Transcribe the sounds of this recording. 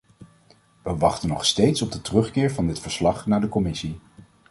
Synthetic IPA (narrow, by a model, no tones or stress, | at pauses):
ʋəʋɑχtənɔχstejtsɔb̚dətərɵχkɪːɹvɑndɪtfəɹslɑχnaːɹdəkɔmɪsi